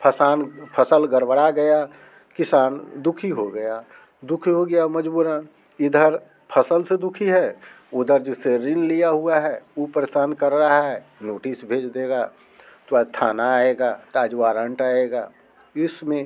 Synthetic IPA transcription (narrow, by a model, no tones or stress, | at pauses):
pʰəsaːnpʰəsəlɡəɾbəɽaɡəja | kɪsaːnd̪ʊkʰiɦoɡəja | d̪ʊkʰiɦoɡəjaməd͡ʒbuːɾã | ɪd̪ʱəɾ | pʰəsəlsed̪ʊkʰiɦɛ | ʊd̪ʱəɾd͡ʒeseɾɪnlijaɦuaɦɛupɾəsaːnkəɾːəɦaɦɛnoːʈɪsbʱeːd͡ʒd̪eːɡa | t̪at̪ʰaːnaeɡaːt̪aːd͡ʒʋaːɾə̃ɳʈaːeɡa̰ː | ɪsmẽ